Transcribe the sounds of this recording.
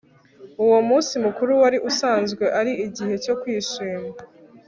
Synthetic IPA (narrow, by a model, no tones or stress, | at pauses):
uwo̞muːnsimukuɾuwaɾiʔusaːnzɡwe̞ʔaɾiʔiɟihe̞co̞kwiːʃiːma